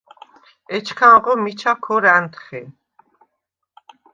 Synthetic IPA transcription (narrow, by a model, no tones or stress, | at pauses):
ɛt͡ʃʰkʰanʁɔmit͡ʃʰakʰɔɾant̪ʰχɛ